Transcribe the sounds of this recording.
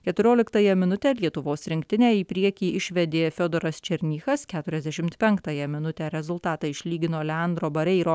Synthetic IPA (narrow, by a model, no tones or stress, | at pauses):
kʲɛt̪ʊɾʲoːlʲɪkt̪ɑjɛmʲɪnʊt̪ʲɛːlʲiɛt̪ʊʋoːsɾʲɪŋʲkt̪ʲɪnʲæːiːpʲɾʲiɛkʲiːʔɪʃʲʋʲɛd̪ʲeːfʲod̪ɔɾɐst͡ʃʲɛɾʲnʲiːxɐskʲæːt̪ʊɾʲɛzʲd̪ʲæʃʲɪmt̪pʲɛŋkt̪ɑjɛmʲɪnʊt̪ʲɛɾʲɛzʊlˠt̪ɑːt̪ɐɪʃʲlʲiːɡʲɪnoːlʲɛɐnd̪ɾoːbɐɾʲɛɪɾoː